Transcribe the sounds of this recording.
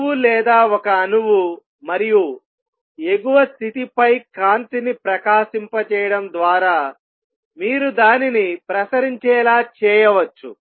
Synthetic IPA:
ulɛːd̪aːɔkɐːnuʋu | mɐɾiju | e̞ɡuʋɐst̪ʰit̪ipɐjkaːnt̪inipɾɐkaːʃimpɐt͡ʃɛːjɐɽɐmd̪ʋaːɾaː | miːɾud̪aːninipɾɐsɐɾiɲt͡ʃɛːlaːt͡ʃɛːjɐʋɐt͡ʃːu

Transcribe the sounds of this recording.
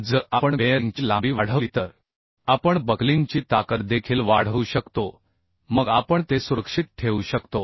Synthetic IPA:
d͡zəapəɳeɾŋɡt͡ɕiːlãbiːʋaɽ̤əit̪əɾ | apəɳbəɡliŋɡt͡ɕiːt̪akət̪d̪ekʰiːlʋaɽ̤əuɕəkt̪o | məɡapəɳt̪esuɾəkʂit̪̚ʈʰeʋuɕəkt̪o

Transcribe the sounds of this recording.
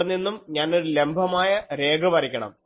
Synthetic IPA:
ɐnːinːumɲaːnoɾule̞mbʱɐmaːjɐɾe̞ːɡʱɐʋɐɾikʲːɐɳɐ̰m

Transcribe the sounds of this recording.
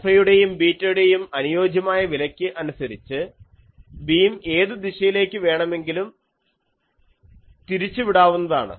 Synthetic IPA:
ɐjuɽe̞jumbiːtːɐjuɽe̞jumɐnujo̞ːd͡ʑjɐmaːjɐʋilɐkʲːɨʔɐnusɐɾit͡ɕːɨ | biːme̞ːðɨd̪iɕɐjile̞ːkʲːɨʋe̞ːɳɐme̞ŋɡilum | t̪iɾit͡ɕːɨʋiɽaːʋunːɐða̰ːɳɨ̰

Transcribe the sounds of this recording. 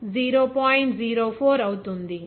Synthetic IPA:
ziːɾoːpaːjiɳʈziːɾoːpʰoːɾɐwut̪und̪i

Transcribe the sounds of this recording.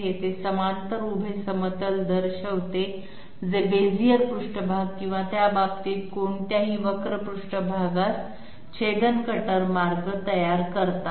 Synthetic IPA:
ɦet̪esəmant̪əɾubʱesəmət̪əld̪əɾɕəʋt̪e | d͡zebed͡zijəɾpɾuʂʈəbʱaɡ̚kĩw̃ʋat̪jababt̪iːt̪koɳt̪jaɦiːʋəkɾəpɾuʂʈəbʱaɡat̪ | t͡ɕʰed̪ənkəʈəɾmaɾɡət̪əjaɾkəɾt̪a

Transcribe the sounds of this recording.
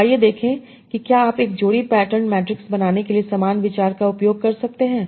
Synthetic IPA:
ajed̪eːkʰẽ | kikjaːaːpeːk̚d͡ʒoːɽipɛːʈəɾnmɛːʈɾɪksbɐnaːnekeliesɐmaːnʋɪt͡ʃaːɾkaʊpjoːɡ̚kɐɾsɐk̚t̪eɦɛ̃ː

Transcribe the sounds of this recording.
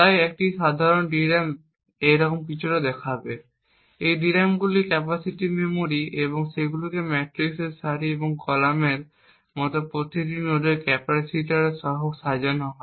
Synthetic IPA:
t̪ajek̚ʈiʃad̪ʱaɾonɖiɾam | ejɾɔkomkit͡ɕʰuʈad̪ɛkʰabe | ejɖiɾamɡulikɛpasiʈimemoɾieboŋseɡulokemɛʈɾikseɾsaɾieboŋkɔlameɾ | mɔt̪opɾot̪itinod̪ojkɛpasiʈaɾeʃɔɦoksad͡ʑanɔɦɔ

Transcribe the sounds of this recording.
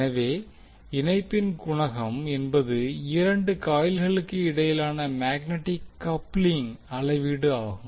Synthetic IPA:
nɐʋeː | ɪnɐɪpːɪnkʊɳɐɣɐmɛnbɐðɯɪɾɐɳɖɯkaːjɪlɣɐɭɯkːɯɪɽɐjɪlaːnɐmaːɣnɛʈːɪkːɐpːlɪŋɐɭɐɪʋiɽɯaːɣɯ

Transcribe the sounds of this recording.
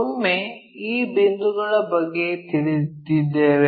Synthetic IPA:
ɐmːe | iːbend̪uɡɐɭɐbɐɡːe̞t̪iɭid̪id̪ːeːʋe

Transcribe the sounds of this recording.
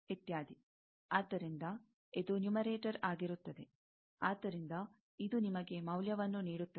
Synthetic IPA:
it̪jaːd̪i | aːd̪ːɐɾind̪ɐ | ed̪unjumɐɾeːʈɐɾaːɡiɾut̪ːɐd̪e̞ | aːd̪ːɐɾind̪ɐ | id̪unimɐɡe̞mɐwljɐʋɐnːuniːɽut̪ːɐ

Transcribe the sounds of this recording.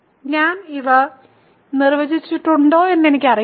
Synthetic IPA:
ɲaːniʋɐ | nirʋɐd͡ʑit͡ɕːiʈːuɳɖo̞ːe̞nːe̞nikʲːɐri

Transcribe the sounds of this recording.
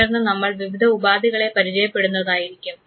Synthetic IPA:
ɐrɐnːɨnɐmːɐɭʋiʋid̪ʱɐubaːd̪ʱiɣɐɭe̞pɐɾit͡ɕɐjɐpːe̞ɽunːɐðaːjiɾikʲːum

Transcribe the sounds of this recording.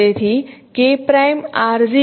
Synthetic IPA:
et̪ʰikepɾajmaːɾzi

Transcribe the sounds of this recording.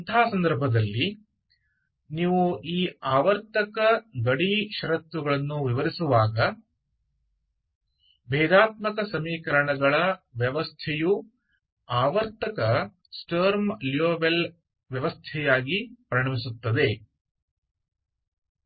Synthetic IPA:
ɐnt̪ʰaːsɐnd̪ɐɾbʱɐd̪ɐlːi | niːʋuiːaːʋɐɾt̪ɐkɐɡɐɽiʃɐɾɐt̪ʋuɡɐɭɐnːuʋiʋɐɾisuʋaːɡɐ | bɛːd̪aːt̪mɐkɐsɐmiːkɐɾɐɳɐɡɐɭɐʋjɐʋɐst̪ʰɛju | aːʋɐɾt̪ɐkɐ | sʈɐːɾmljoːbel | ʋjɐʋɐst̪ʰɛjaːɡipɾɐɳɐmisut̪ːɐd̪e̞

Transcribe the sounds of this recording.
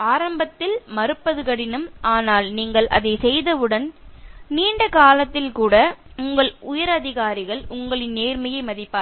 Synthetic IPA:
aːɾɐmbɐt̪ːɪlmɐɾɯpːɐðɯkɐɽɪnɯmʔaːnaːlniːŋɡɐɭʔɐ̰ðɐɪsɛjðɐʋɯɽɐnniːɳɖɐkaːlɐt̪ːɪlkuːɽɐʊŋɡɐɭʊjɐɾɐðɪɣaːɾɪɣɐɭʊŋɡɐɭɪnːeːɾmɐjɐɪmɐðɪpːaː

